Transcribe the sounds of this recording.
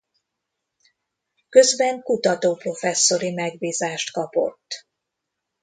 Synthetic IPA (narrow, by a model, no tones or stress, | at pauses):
kø̞zbɛŋkut̪ɒt̪oːpro̞fɛsːo̞ɾimɛɡ̚biːzaːʃt̪kɒpo̞̰t̪ː